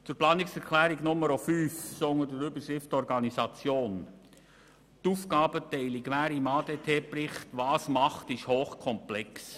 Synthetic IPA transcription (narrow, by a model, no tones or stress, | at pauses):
t͡sʊɾplɑːnɪksɛɾkʰlæːɾiɡnʊməɾofyːfsɔŋədəɾʏbəʃɾɪftɔɾɡɑnisɑt͡sjoːn | tufkɑːbətɛɪliɡʋæːɾimɑːdetʰeːpɾɪχtʋɑːsmɑχtɪʃhoːχkʰɔmplɛks